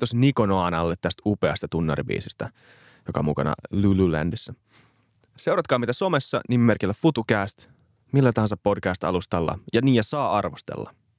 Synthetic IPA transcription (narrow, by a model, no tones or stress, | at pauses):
t̪osnikonoɑnɑlːet̪t̪æst̪upeɑst̪ɑt̪unːɑɾḭbḭːsist̪æ | jokɑ̰mukɑnɑ̰lululæ̰ndisːæ | se̞uwrɑt̪kɑːmit̪æso̞me̞sːɑ̰nimːerkilːæfut̪ukæːst̪ | milːæt̪ɑhɑnsɑpːo̞dkæːst̪ɑ̰lust̪ɑlːɑ̰jɑniːjæsɑːɑrʋost̪ḛlːɑ